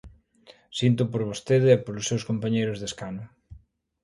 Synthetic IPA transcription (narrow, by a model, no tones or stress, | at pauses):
sint̪̬ʊpoɾβost̪eðeːpoɾlʊsːewskompaɲejɾʊzðeskanʊ